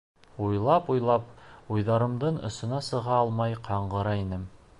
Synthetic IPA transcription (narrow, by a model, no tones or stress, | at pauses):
ujlˠɑpujlˠɑp̚ujðɑɾɤ̆md̪ɤɴŏ̰sɤ̆nɑsɤ̆ʁɑɑlˠmɑjqʰɑɴɢɤ̆ɾɑinɘm